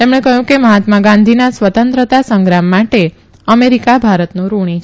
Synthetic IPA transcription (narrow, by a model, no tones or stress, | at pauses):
t̪emɳ̃ekəɦjũkeməɦat̪maɡãnd̪ʱinasʋət̪ənt̪ɾət̪asə̃ŋɡɾamːaʈe | əmeɾikabʱaɾət̪nũɾuɽ̃it͡ʃʰ